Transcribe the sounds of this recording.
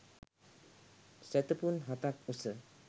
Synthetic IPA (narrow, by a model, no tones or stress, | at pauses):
sɛt̪əpunɦat̪ak̪̚usə